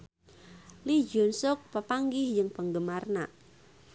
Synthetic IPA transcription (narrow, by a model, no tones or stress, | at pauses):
lid͡ʒʊnsʊk̚pəpaŋɡɪhd͡ʒɨŋpəŋɡəmarna̰